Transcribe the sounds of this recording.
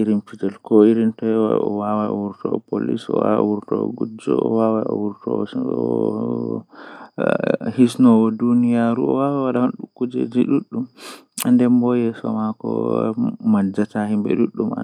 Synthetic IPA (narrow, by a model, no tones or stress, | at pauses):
ʔiɾinfid͡ʒɛlkɔiɾintɔjɛwa̰ɔwawaɔwuɾtɔɔpo̰lḭsɔ̰wa̰wuɾtɔɔ̰ɡud͡ʒɔ̰ɔ̰wawaɔwuɾtɔ̰ | hisnɔwɔdunijaɾuɔ̰wawawaɗahonɗukːud͡ʒɛ̰d͡ʒiɗuɗːum | andɛmbɔjɛsɔmakɔ̰ | mad͡ʒːatahimbɛ̰ɗuɗːuma̰